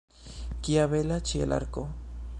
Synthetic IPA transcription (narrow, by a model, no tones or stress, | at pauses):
kiaβelat͡ʃiḛlʔa̰ɾko